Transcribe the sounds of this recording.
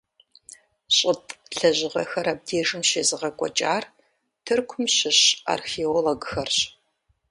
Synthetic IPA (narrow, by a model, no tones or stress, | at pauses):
ɕʼɪtʼɬɐʑɪʁɐxɐɾɐb̚deːʒɨmʃeːzɨʁɐkʷʼɔ̰t͡ʃʼaːr | tʰɨrkʷʰʊmɕɪɕa̰ːrxeoloɡxɐrɕ